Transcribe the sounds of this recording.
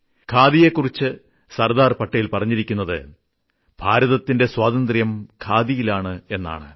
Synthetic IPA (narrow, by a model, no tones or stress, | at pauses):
kʰaːd̪ije̞kːurit͡ɕːɨ | sɐrd̪aːrpɐʈːɐjilpɐrɐɲːiɾikʲːunːɐðɨ̰ | b̥ʱaːɾɐðɐt̪ːinde̞swaːd̪ɐnd̪rjɐmkʰaːd̪ijilaːɳɨe̞nːa̰ːɳɨ̰